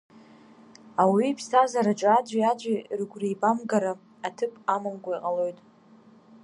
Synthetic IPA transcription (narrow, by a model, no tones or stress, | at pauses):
awiːpʰstʰazaɾad͡ʒʷʼad͡ʒʷajad͡ʒʷarɡʷrijbamɡaɾa | atʰɨpʼamamɡʷaiqʼalo̞jtʼ